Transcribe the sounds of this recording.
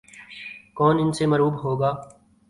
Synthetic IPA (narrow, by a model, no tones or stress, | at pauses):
kɔːnɪnseməɾuːbɦoːɡaː